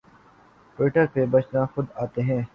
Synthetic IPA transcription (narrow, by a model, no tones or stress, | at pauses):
ʈwɪːʈəɾpebɐt͡ʃnãxʊd̪aːt̪eɦɛ̃ː